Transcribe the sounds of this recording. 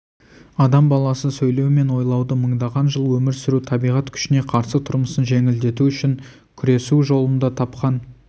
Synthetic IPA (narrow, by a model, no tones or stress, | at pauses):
ɑd̪ɑmbɑlˠɑsəsɵjle̞wɪme̞nwo̞jlˠɑwd̪əməɴd̪ɑʁɑnʒəlˠwɵmɪɾsʏɾut̪ʰɑbijʁɑt̪kʲʰʏ̥ʃɪne̞qʰɑɾsət̪ʰʊɾməsənʒe̞ŋʲɪld̪e̞t̪uʏʃɪŋ | kʲʰʏɾe̞suʒo̞lˠənd̪ɑt̪ʰɑpqɑn